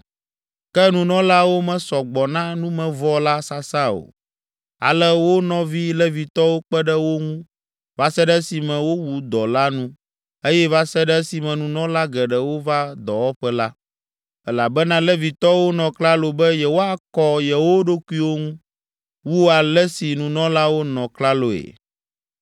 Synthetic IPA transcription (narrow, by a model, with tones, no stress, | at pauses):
kɛ˦nũ˨nɔ̃˦la˦wo˦mɛ̃˨sɔ˨ɡ͡bɔ˨nã˦nũ˦mɛ̃˨vɔ˦la˦sa˦sa˦o̰˨ | a̰˨lɛ˦wo˦nɔ̃˦vi˦lɛ˦vi˨t̪ɔ˦wo˦k͡pɛ˦ɖɛ˦wo˦ŋũ˦ | va˦sɛ˦ɖɛ˦si˨mɛ̃˨wo˦wu˦d̪ɔ˨la˦nũ˦ | e˦jɛ˦va˦sɛ˦ɖɛ˦si˨mɛ̃˨nũ˨nɔ̃˦la˦ɡɛ˨ɖɛ˨wo˦va˦d̪ɔ˨wɔ˦ɸɛ˦la˦ | ɛ˦la˨bɛ˦nã˦lɛ˦vi˨t̪ɔ˦wo˦nɔ̃˨kla˦lo˨bɛ˦jɛ˨wo˦a˦kɔ˦jɛ˨wo˦ɖo˦ku˦i˦wo˦ŋũ˦ | wu˦wo˦a˨lɛ˦si˨nũ˨nɔ̃˦la˦wo˦nɔ̃˨kla˦lo˨ḛ˨